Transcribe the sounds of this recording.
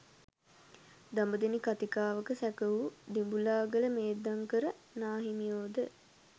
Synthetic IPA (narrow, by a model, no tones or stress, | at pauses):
d̪ambəd̪enikat̪ikaːʋəkəsɛkəʋud̪imbulaːɡələmeːd̪aŋkəɾə | naːɦinijoːd̪ə